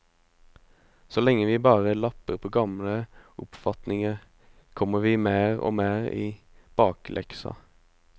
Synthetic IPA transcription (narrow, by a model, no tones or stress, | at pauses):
sɔlɛŋːəʋiːbɑːʁəlɑpəʁpʰoːɡɑmləʊpfɑt̪nɪŋə | kʰɔməʋiːmeːʁo̰ːmeːʁḭː | b̥ɑːklʔɛ̰ksɑ̰